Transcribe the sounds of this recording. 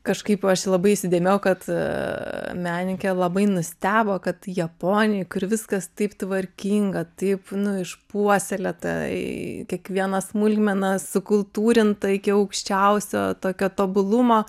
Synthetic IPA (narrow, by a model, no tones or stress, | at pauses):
kɐʃkɐɪpɐʃlˠɐbɐɪɪʃsʲɪd̪ʲeːmʲeːjʊkɐt̪ | mʲæːnʲɪkʲɛlˠɐbɐɪnʊsʲt̪ʲæːboːkɐt̪jɛpoːnʲɪjkʊɾʋʲɪskɐst̪ɐɪpt̪ʋɐɾʲkʲiːŋɡɐt̪ɐɪpnʊɪʃpuɔsʲɛlʲɛt̪ɐ̰kʲiɛkʋʲiɛnɐsmʊlʲɡʲmʲɛnɐsʊkʊlˠt̪uːɾʲɪnt̪ɐɪkʲɪɐʊkʃʲt͡ʃʲɛʊsʲo̰ːt̪oːkʲoːt̪oːbʊlˠʊmoː